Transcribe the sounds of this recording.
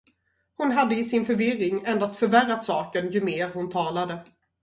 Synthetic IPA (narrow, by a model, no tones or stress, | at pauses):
hʊnɦad̪ːəɪsɪnfœɾvɪrɪŋɛnd̪ast̪fœɾvæɾːat̪sɑːkənjɵmeːɾhʊnt̪ʰɑːlad̪ə